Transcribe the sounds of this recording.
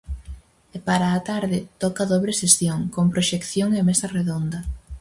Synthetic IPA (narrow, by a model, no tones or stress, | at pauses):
epaɾaːt̪aɾðɪt̪ɔkaðoβɾesesθjoŋkompɾoʃekθjoŋemesɐreðond̪ɐ